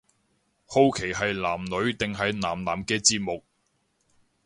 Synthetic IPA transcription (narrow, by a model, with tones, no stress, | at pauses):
ho˧wkʰe˨˩jɦɐ˨jlaː˨˩mlɵ˨˧ɥt̪ɪ˨ŋɦɐ˨jnaː˨˩mlaː˨˩mkɛː˧t͡siː˧˥t̚mʊ˨k̚